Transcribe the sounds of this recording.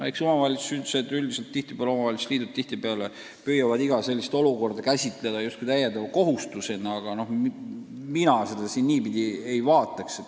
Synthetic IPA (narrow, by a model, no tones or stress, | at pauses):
ekso̞mɑvɑlʲit̪su̥syd̪u̥se̞d̪̥yld̪iselt̪ːiht̪i̥peɑlo̞mɑvɑlit̪su̥t̪liːd̪̥ut̪̚t̪iht̪ibeɑle | pyːjɑvɑd̪iɡ̥ɑse̞lʲːist̪o̞luko̞rd̪ɑkæsʲit̪ˑle̞d̪ɑjust̪kujt̪æjend̪ɑvɑko̞ɦust̪use̞nːeɑɡ̥ɑno̞h | minɑse̞d̪ɑsinːiːbid̪ʲie̞jvɑːt̪ːˑɑkset̪ː